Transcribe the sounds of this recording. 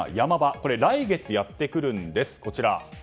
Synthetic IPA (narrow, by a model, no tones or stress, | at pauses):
jamabako̞ɾe̞ɾaiɡe̞t͡sɨjat̪ːe̞kɯ̟ɾɯ̟̃nd̪e̞sɨ̥ko̞t͡ɕiɾa